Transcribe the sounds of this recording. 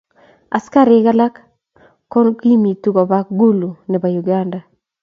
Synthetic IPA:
a˨ska˦ɾɪ˦ka˦la˦kː | ɔ˦nki˦mi˨tu˦kɔ˨ba˦kɡu˦lu˨nɛ˨ba˨ju˨ɡa˦nda˨

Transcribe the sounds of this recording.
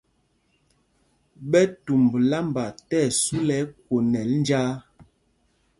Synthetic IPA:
ɓɛ˦tu˨m˨bla˦mba˨tɛ˦˨su˦lɛ˨˦kwo˨nɛ˨˦ln˦d͡ʒaː˦

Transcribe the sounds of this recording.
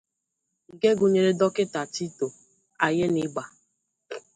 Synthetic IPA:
ŋ̩˨ɡe˦ɡu˨ɲe˨ɾe˦dɔ˦kɪ˦ta˨ti˦to˨ | a˨je˦nɪ˦ɡ͡ba˨

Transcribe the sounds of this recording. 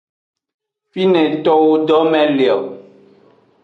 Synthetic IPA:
fi˦nɛ̃˨t̪ɔ˦wo˦ɖɔ˦mɛ̃˦li˨a˨wo˨

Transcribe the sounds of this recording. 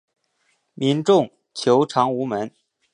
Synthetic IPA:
mi˧˥nʈ͡ʂʊ˥˩ŋ | t͡ɕʰjo˧˥ʊʈ͡ʂʰɑ˧˥ŋu˧˥mə˧˥n

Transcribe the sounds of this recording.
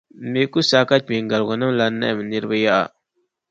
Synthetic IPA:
me˦ku˦sa˦ka˦me˨ŋɡa˨lɣa˨na˦mla˦nːa̰˦ʔmə˨ni˦ɾbə˦ja˦ʔa̰˨

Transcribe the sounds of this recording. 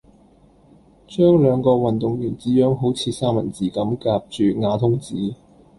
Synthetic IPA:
t͡ʃœː˥ŋlœː˨˧ŋkɔː˧wɐ˨nt̪ʊ˨ŋjyː˨˩nt͡siː˨˥jœː˨˥ŋɦo˨˥wt͡sʰiː˨˧saː˥mɐ̰˨˩nt͡siː˨˥kɐ˨˥mkaː˧p̚t͡ʃyː˨ŋaː˨˧˥t̪ʰʊ˥ŋt͡siː˨˥

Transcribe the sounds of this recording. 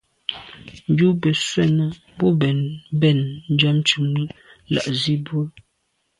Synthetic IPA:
n̩˨d͡ʒu˦bə˨swɛ˦˨nə˦ | bɔ˦bɛ˨nbɛ˦˨nn̩˦d͡ʒɔ˦mt͡ʃu˨mi˦ | la̰˨ʔzi˦bwo˦

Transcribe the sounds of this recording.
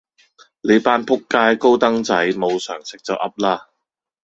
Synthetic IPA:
le˨˧jpaː˧˥npʰʊ˥kːaː˧˥jko˥wt̪ɐ˥ŋt͡sɐ˨˥jmo˨˧wsœː˨˩ŋsɪ˨k̚t͡sɐ˨˩wʔɐ˥p̚laː˥

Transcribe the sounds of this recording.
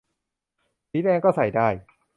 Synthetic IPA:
i˨˦˥nɛː˧kɔː˥˩sa˨˩jdaː˥˩j

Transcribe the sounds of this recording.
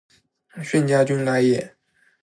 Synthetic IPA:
ɕɥɛ˥˨nt͡ɕja˥t͡ɕy˥nla˥jɛ˥˩

